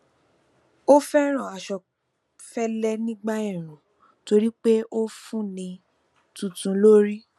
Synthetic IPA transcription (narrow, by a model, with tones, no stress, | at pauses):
o˦fɛ˦ɾ̃ã˨a˨ʃɔ˨ | fɛ˦lɛ˦nĩ˦ɡ͡ba˦i˦˨ɾ̃ũ˨ | to˧ɾi˦k͡pe˦ʔo˦fũ˦nĩ˧ | tũ˨tũ˨˧lo˦ɾi˦